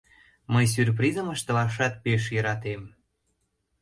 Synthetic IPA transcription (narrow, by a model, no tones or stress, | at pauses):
məjs̬yrp̬ɾizəməʃt̪ə̆lɑʃ̬ɑt̪̚peʃ̬jəɾɑt̪em